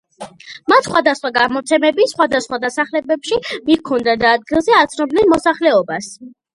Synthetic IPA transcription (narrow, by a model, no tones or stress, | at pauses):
mat̪ʰsχwad̪asχwaɡamɔt̪sʰɛmɛbit̪sχwad̪asχwad̪asaχlɛbɛpʃimikʰɔnd̪ad̪aːd̪̚ɡilˠzɛat̪sʰnɔbnɛnmɔsaχlɛɔbas